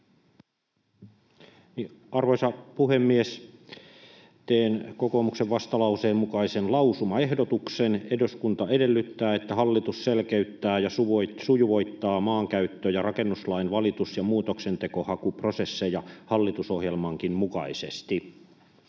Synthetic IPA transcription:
niʔɑrʋoisɑpuhemːies | t̪eːnkokomukseʋʋɑst̪ɑlɑuseːmmukɑisenlɑusumɑehdot̪uksenedoskunt̪ɑedelːyt̪ːæːet̪ːæhɑlːit̪usselkeyt̪ːæːjɑsuʋsujuʋoit̪ːɑːmɑːŋkæyt̪ːøːjɑrɑkenːuslɑinʋɑlit̪usjɑmuːt̪oksent̪ekohɑkuprosesːejɑhɑlːit̪usohjelmɑŋkimmukɑisest̪i

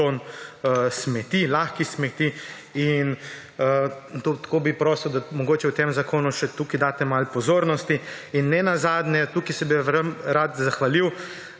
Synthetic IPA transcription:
on | smɛt̪ilaxkismɛt̪i | in | t̪ot̪koːbipɾoːsiwd̪amɔɡoːt͡ʃɛwt̪emzakʰoːnuʃɛt̪uːkid̪aːt̪ɛmalpɔzoːɾnɔst̪iinːɛnazaːd̪njɛt̪uːkisɛbiɾəmɾat̪zaxʋaliw

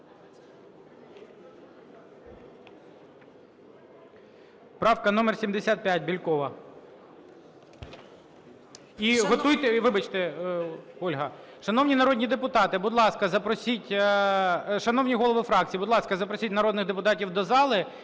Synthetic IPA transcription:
pɾɑwkɐnɔmersʲimd̪esʲat̪̚pʲjat̚ʲbʲilʲkɔʋɐ | iɦɔt̪ujt̪ɛʋɪbɐt͡ʃt̪ɛ | ɔlʲɦɐ | ʃɐn̪ɔwnʲinɐɾɔd̪ʲnʲid̪epʊt̪ɑt̪ɪbʊd̪lˠɑskɐzɐpɾɔsʲitʲ | ʃɐnɔwnʲiɦɔlˠɔʋɪfɾɑk̚t͡sʲiːbʊd̪lˠɑskɐzɐpɾɔsʲitʲnɐɾɔd̪nɪɣd̪epʊt̪ɑtʲiwd̪ɔzɑlˠɪ

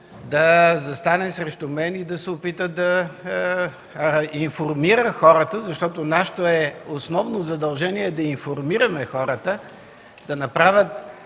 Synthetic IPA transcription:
d̪ɐzɐst̪anɛsɾɛʃt̪ʊmɛnid̪ɐsɛopit̪əd̪ɐ | infoɾmiɾəxɔɾət̪əzɐʃt̪ɔt̪onaʃə̥t̪oɛosnɔvnozɐd̪ɐlˠʒɛniɛd̪ɐinfoɾmiɾɐmɛxɔɾət̪ə | d̪̥ɐnɐpɾavʲjət̪̚

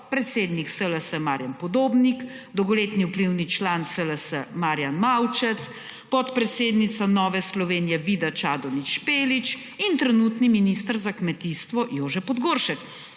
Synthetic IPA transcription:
pɾɛt̪seːd̪niksələsəmaːɾjampɔd̪oːbnikd̪ɔowɡɔleːt̪niupliwnit͡ʃlaːnsələsə̰maːɾjanmawt͡ʃɛt̪s | pɔt̪pɾɛt̪seːd̪nit̪sanɔːʋɛslɔʋeːnjɛʋiːd̪at͡ʃaːd̪ɔniʃpeːlit͡ʃ | int̪ɾɛnuːt̪niminist̪əɾzakmɛt̪iːst̪ʋɔjoːʒɛpɔd̪ɡoːɾʃɛk

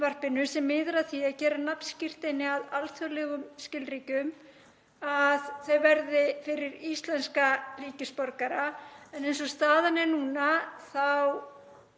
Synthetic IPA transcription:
var̥pɪnʏsɛmːɪːðɾaθiacɛːɾanapn̥scɪr̥t̪ɪnːɪaðalt̪ʰvœlɛɣʏmscɪlriːcʏm | aðθœɥjvɛɾðɪfɪɾɪɾist̪lɛnskariːcɪspɔɾkaɾaɛnejns̬ɔst̪aːðanɪnuːnaθaw

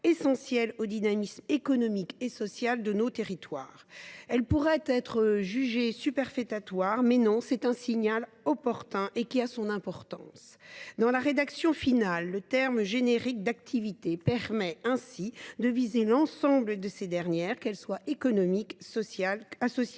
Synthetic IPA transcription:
esɑ̃sjɛlod̪inamismekɔnɔmikesɔsjald̪ənot̪eʁit̪wa̰ːʁɛlpuʁɛt̪ɛt̪χəʒyʒesypɛʁfɛt̪at̪waːʁmɛnɔ̃sɛt̪ɛ̃siɲal | ɔpɔʁt̪ɛ̃ʔekʲiasɔ̃nɛ̃pɔʁt̪ɑ̰̃sd̪ɑ̃laʁed̪aksjɔ̃finalːət̪ɛʁmʒeneʁik̚d̪akt̪ʰivit̪epɛʁmɛɛ̃sid̪əvizelɑ̃sɑ̃bləd̪əsed̪ɛʁnjɛːʁkɛlswaekɔnɔmiksaasɔs

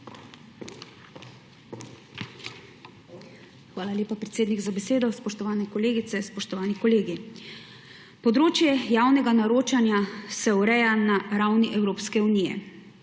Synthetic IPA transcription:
xʋaːlalʲjeːpapɾɛt̪seːd̪niɡzabɛseːd̪ɔspɔʃt̪ɔʋaːnɛkɔleːɡit̪sɛspɔʃt̪ɔʋaːnikɔleːɡi | pɔd̪ɾoːt͡ʃjɛjaːwnɛɡanaɾoːt͡ʃanjasɛwɾɛjanaɾawniʔɛwɾoːpskɛunijɛ̰

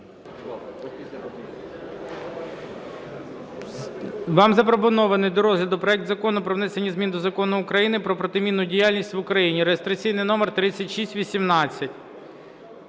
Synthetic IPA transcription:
ʋɑmzɐpɾɔp̬ɔnɔʋɐnɪjd̪ɔɾɔzlʲɐd̪ʊpɾɔɛk̚t̪zɐkɔnʊpɾɔʋnɛsenʲizmʲind̪ɔzɐkɔnʊːkɾɐjinɪpɾɔpɾɔt̪ɪmʲinːʊdʲijalʲnʲisʲtʲʋʊkɾɐjinʲiɾejest̪ɾɐt͡sʲijnɪjnɔmert̪ɾɪt͡sʲːɐtʲʃisʲtʲʋʲisʲimnɑt͡sʲːɐtʲ

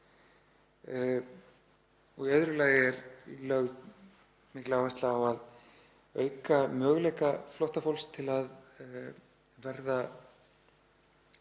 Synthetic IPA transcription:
ɔɣɛðɾʏlaːɣɪɛɾlœɣð | mɪhklaawvast̪laːwað | œːɥkamœːɣlɛjkaflɔht̪afowlst̪ʰɪlað | vɛɾða

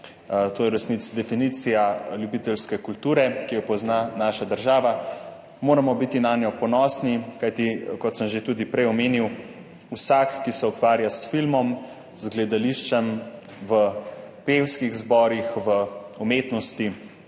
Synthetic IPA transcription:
t̪oːjɛɾɛsnit̪sd̪ɛfiniːt̪sijaljubiːt̪ɛlskɛkult̪uːɾɛkijɔpɔznanaːʃad̪əɾʒaːʋa | moːɾamɔbit̪inaːnjɔpɔnɔːsnikajt̪ikɔt̪səmʒet̪uːd̪ipɾɛjɔmeːniw | usakːisɛukʋaːɾjasfilmɔm | zɡlɛd̪aliʃt͡ʃɛm | ʋəpewskiɣzbɔːɾixʋəumeːt̪nɔst̪i

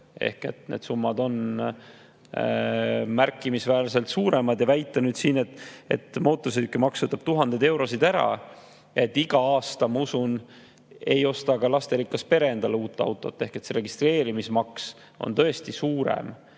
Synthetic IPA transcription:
e̞̰hke̞̰t̪ne̞̰d̪̥sumːɑd̪o̞n | mærkːˑimisvæːlse̞lt̪suːɾemɑd̪jɑvæjt̪ːˑɑnyːd̪siːne̞t̪ːˑe̞̰t̪ːˑmo̞ːt̪ːˑos̬ed̪ykːymɑksɤt̪ːɑb̥̚t̪uɦɑnd̪̥ed̪e̞wɾo̞sid̪æɾɑ̰ | eet̪ːiɡ̥ɑɑːst̪ɑmɑusun | e̞jo̞st̪ɑɡɑlɑst̪e̞ɾikːˑɑspe̞ɾe̞end̪̥ɑluːt̪ːˑɑ̰wt̪ːˑo̞̰t̪ːe̞hke̞t̪seɾe̞ɡist̪re̞ːɾimismɑks | o̞̰nt̪ɤ̞e̞st̪isuːɾḛm

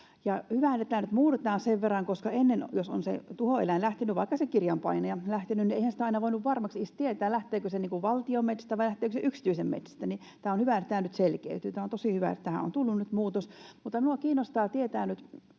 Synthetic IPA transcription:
jɑhyʋæˑnĕt̪ːæːnyt̪muːret̪ɑːnseʋʋerːɑŋkoskɑenːenjoso̰nsḛt̪uhoḛlænlæht̪enyʋʋɑikːɑsekirjɑmpɑ̰inɑjɑlæht̪enynieihænsĭ̥t̪æɑinɑʋoinuʋʋɑrmɑksist̪iet̪æːlæht̪eːkøseniːŋkuʋʋɑlt̪iomet̪se̥st̪æʋɑilæht̪ˑeːkøseʔyksi̥t̪yisemmḛt̪sæ̥st̪æni | t̪æːonhyʋæt̪ːæːnyt̪selkḛyt̪ˑyːt̪æːont̪osiˑhyʋæ̰ḛt̪t̪æhæ̰o̰nt̪ulːunnyt̪muːt̪osmut̪ːɑminuɑkiːnost̪ɑːt̪iet̪æːnyt̪

